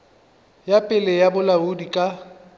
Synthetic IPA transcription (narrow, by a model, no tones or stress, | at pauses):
japʼɪlɛjabʊlaʊdikʼa